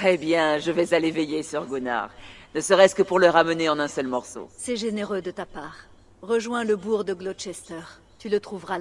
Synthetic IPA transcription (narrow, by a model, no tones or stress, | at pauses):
ebjɛ̃ʒəvɛzalevɛjesyʁɡona̰ʁnəsəʁɛskəpuʁlœʁaməneɑ̃nɛ̃sœlmɔʁso̰sɛʒeneʁød̪ət̪apaːʁ | ʁəʒwɛ̃ləbuʁd̪əɡlod̪ʃɛst̪œʁ | t̪ylət̪χuvʁa